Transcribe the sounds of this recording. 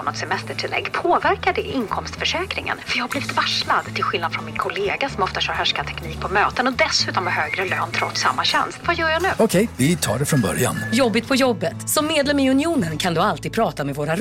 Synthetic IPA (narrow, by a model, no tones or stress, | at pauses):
ɔnɔt̪sɛmɛst̪əʈʰɪlːɛ̰ɡːpʰoːvæɾkaɖɛʔɪnkʰɔmst̪fœʂɛːkɾɪŋə̰nfœɾjɑːhabliːvɪt̪vaʂlad̪t̪ʰɪlɧɪlnad̪fɾɔnmɪnkʰʊleːɡasɔmɔft̪atʰaɾhœʂkat̪ʰɛkniːk̚pʰɔmøːt̪ənɔd̪ɛsʉ̟ːt̪ɔmɛhøːɡɾəløːnt̪ʰɾɔt̪sa̰mːaɕɛ̰nst̪vajœːɾjanʉ̟ːɔkʰɛjvɪt̪ʰɑ̰ːɖɛfɾɔnbœ̰ɾja̰njɔbːɪt̪pʰɔjɔbːət̪sɔmːeːd̪lɛmɪɵnɪuːnənkʰand̪ɵalt̪ʰiːd̪pʰɾɑːt̪amɛvoːɾaɾ